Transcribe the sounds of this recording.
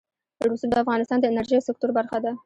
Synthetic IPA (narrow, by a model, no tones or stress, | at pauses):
ɾusub̚d̪əafɣɑnɪst̪ɑnd̪əɪnaɾʒijawsɪk̚t̪ʊɾbaɾxad̪a